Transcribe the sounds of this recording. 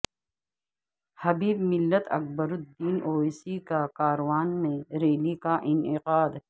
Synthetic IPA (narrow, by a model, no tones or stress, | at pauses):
hɐbiːbmɪlːət̪ɐ̰k̚bəɾʊd̪ːiːnʔoːisikakaːɾwaːnmẽɾeːlikaʔɪnɪqaːd̪